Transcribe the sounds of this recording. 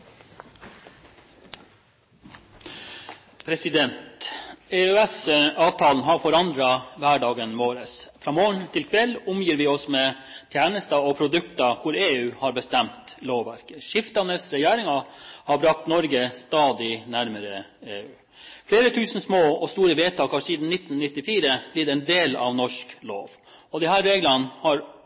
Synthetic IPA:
pʰɾɛsɪd̪ɛnt̪eːœɛsɑːʋt̪ʰɑːln̩ɦɑɾfɔɾɑnd̪ɾɑʋæːɖɑːɡənmoːɾəsfɾɑːmoːɳt̪ʰɪlkʰʋɛlːʊmjiːɾʋɪɔsmeː | t̪ʰjæːnəst̪ɑɔpʰɾʊd̪ʉkt̪ɑkʰʊɾeːʉːhɑɾbəst̪ɛmt̪loːʋʋæɾkəʂɪft̪əɑnəlsɾɛjæːɾɪŋɑhɑɾbɾɑk̚t̪nɔɾɡəst̪ɑːd̪ɪnæɾməɾəeːʉː | fleːɾət̪ʰʉːsn̩smoːɔst̪uːɾəʋeːt̪ʰɑːkɑɾʂsiːd̪n̩nɪt̪ːn̩nɪt̪ːɪfiːɾəblɪd̪ɛnd̪eːlɑ̰ʋnɔʂklo̰ːʋ | ɔd̪ɛhæːɾɾeːɡlɑnːhɑɾ

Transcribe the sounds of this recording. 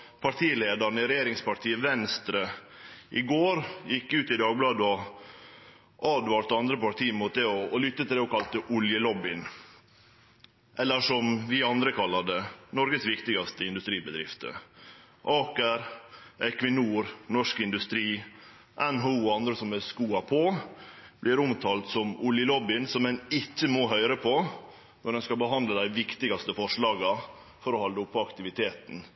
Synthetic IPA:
pʰɑʈʰiːleːd̪ɑɳəɪɾɛjeːɾɪŋspɑʈʰiːəʋɛnst̪ɾə | ʔɪɡoːɾjɪkːʉːt̪ɪd̪ɑːɡ̚blɑːd̪əɔ | ʔɑːd̪ʋɑɾt̪ɑnd̪ɾəpɑʈ̪ʰiːmʊt̪̚d̪ɛɔːlʏt̪ːət̪ʰɪlɛɔkʰɑlt̪əʔʊljəlɔbɪn | ʔɛlːəʂɔmʋɪɑnd̪ɾəkʰɑlːɑd̪ɛnɔɾɡəsʋɪkt̪ɪɡɑst̪əɪnd̪ʉst̪ɾiːbəd̪ɾɪ̰ft̪ə̰ | ʔɑːkəɾʔɛkʋɪnuːɾnɔʂkɪnd̪ʉst̪ɾiː | ʔɛnɦoɑnd̪ɾəsɔmɛskuːɑpʰoːb̥lɪɾʊmt̪ʰɑːlt̪sɔmʊljəlɔbɪnsɔmɛnɪtːəmoɦœʏɾəpʰɔ | nɔɾɖɛnskɑbəɦɑnd̪ləd̪æɪʋɪkt̪ɪɡɑst̪əfɔʂɭɑːɡɑ | fɔɾɔhɑld̪əʊpʰːɔɑkt̪ɪʋɪt̪ʰeːt̪n̩

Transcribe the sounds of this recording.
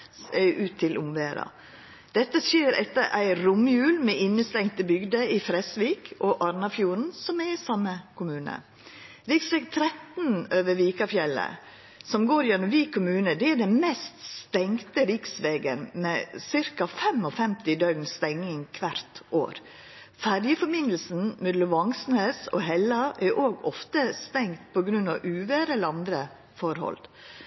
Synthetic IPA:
ɛʔʉːt̪ʰːɪlʔʊmʋeːɾɑ̰ | d̪̥ɛt̪ːəsjeːɾɛ̰t̪ːəɾʔæ̰ɪɾʊmjʉːlmɛɪnːəst̪ɛŋt̪əbʏɡd̪əɪfɾɛsʋiːkʰɔʔɑɾnɑfjuːɾn̩sɔmɛɾɪsɑmːəkʰʊmʉːnə̰ | ɾɪksʋɛːɡt̪ʰɾɛt̪nøːʋəɾʋiːkɑfjɛlə̰ | sɔmɡoːɾjɛnːʊmʋiːkʰʊmʉːnəd̪ɛæd̪ɛnmɛst̪st̪ɛŋt̪əɾɪksʋeːɡənmɛsɪɾkɑfɛmɔfɛmt̪ɪd̪œɡnst̪ɛŋːɪŋkʰʋæɾt̪ʔo̰ːɾ | fæɾjəfɔɾmɪnd̪l̩sn̩mɛːd̪lʊʋɑŋsnesɔ̰ɦɛlːɑʔæɾʔoːɡɔft̪əst̪ɛŋt̪̚pʰɔɡɾʉnɑʋʔʉːʋɛɾɛlɑnd̪ɾə | fɔɾhɔ̰l

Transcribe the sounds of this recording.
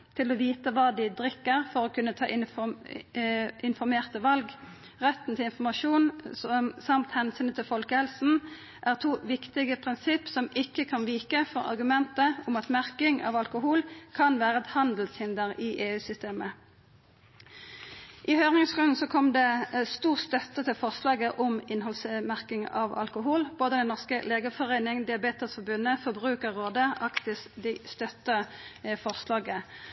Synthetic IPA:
t̪ʰɪloːʋiːt̪əʋɑːd̪ɪd̪ʁɪkːəʁfɔʁoːkʰʉnːət̪ʰɑ̰ːʔɪ | ɪnfɔʁmeːʁt̪əʋɑlɡ | ʁɛt̪ːn̩t̪ʰɪlɪnfɔmɑʃuːn | sɑmt̪hɛnsyːnət̪ʰɪlfɔlkəhɛlsn̩ | ʔæːʁt̪ʰuːʋɪkt̪ɪɡəpʰʁɪnsɪpsɔmɪkːəkʰɑnʋiːkəfɔʁɑ̰ʁɡʉmɛnt̪əʊmɑt̪mæʁkɪŋɑ̰ʋɑlkʊhuːlkʰɑnʋæːʁəɛt̪hɑnd̪l̩shɪnd̪əʁɪʔeːʉːsʏst̪eːmə | ʔɪhøʏʁɪŋsʁʉnn̩sɔkʰɔmd̪ɛst̪uːʁst̪œt̪ːət̪ʰɪlfɔʁslɑːɡəʔɔmɪnɦɔlsmæʁkɪŋɑ̰ʋɑ̰lkʊɦulboːd̪əd̪ɛnɔʁskəleːɡəfɔʁeɪnɪŋd̪ɪɑbeːt̪əsfɔbʉnːəfɔʁbʁʉːkəʁʁoːd̪əɑkt̪ɪsd̪ist̪œt̪ːəfɔʁslɑːɡə

